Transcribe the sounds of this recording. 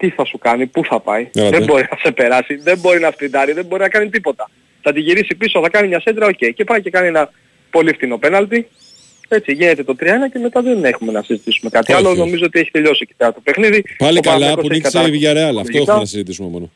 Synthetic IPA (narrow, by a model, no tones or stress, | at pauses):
t̪iθɐsukɐnipuθɐpɐ̰iðembo̞ɾinɐse̞pe̞ɾɐsiðe̞mbo̞ɾinɐspind̪ɐɾiðembo̞ɾinɐkɐnit̪ipo̞t̪ɐ | θɐt̪iʝiɾisipisoθɐkɐnimɲɐsed̪ɾɐoce̞ice̞pɐice̞kɐnie̞nɐ | po̞lift̪ino̞pe̞nɐlt̪i | e̞t͡siʝine̞t̪e̞t̪o̞t̪ɾiɐenɐce̞met̪ɐðe̞ne̞xume̞nɐsizit̪isume̞kɐt̪iɐlo̞no̞mizoot̪ie̞çi̥t̪e̞ʎo̞sici̥peɾɐt̪o̞pe̞xniðipɐliokɐlɐkokɐsɐviʝɐɾeɐlɐfoiet̪ɐnɐsizit̪isumemono